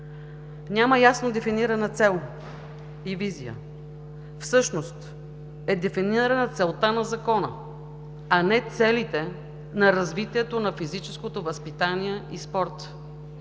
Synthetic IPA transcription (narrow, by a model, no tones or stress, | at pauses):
nʲaməjasnod̪ɛfiniɾɐnət̪sɛlˠ | ivizijə̰ | fsɤʃnost̪ | ɛd̪ɛfiniɾənət̪sɛlˠt̪anɐzɐkɔnə̰ | ɐnɛt̪sɛlit̪ɛ | nɐɾɐzvit̪iɛt̪onɐfizit͡ʃɛskot̪ovɐspit̪aniɛispɔɾt̪